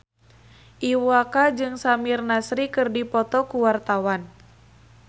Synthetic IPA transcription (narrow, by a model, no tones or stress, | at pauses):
ʔiwakad͡ʒɨŋsamirnasɾikɨrdipɔt̪ɔkuwart̪awan